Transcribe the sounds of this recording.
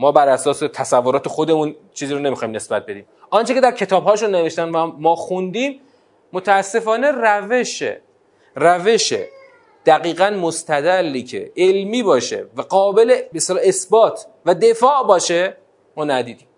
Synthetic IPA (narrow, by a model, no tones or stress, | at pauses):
mɒːbæɾæsɒːse̞t̪ʰæsævːoɾɒːt̪ʰexo̞d̪e̞muːnt͡ʃʰiːziːɾone̞mixɒːimne̞sbæt̪̚be̞d̪iːm | ʔɒːnt͡ʃʰecʰe̞d̪æɾcʰe̞t̪ʰɒːbhɒːʃunːe̞ve̞ʃt̪ænd̪væmɒːxund̪iːmː | ot̪ʰææsːe̞fɒːne̞ræveʃḛ | ræve̞ʃḛ | d̪̥æɣiːɣænmost̪ʰæd̪ælːiːcʰḛʔelmiːbɒːʃe̞̰væɢɒːbe̞lebest̪elɒːe̞sbɒːt̪ʰ | væd̪e̞fɒːʔbɒːʃe | mɒːnæd̪iːd̪iːm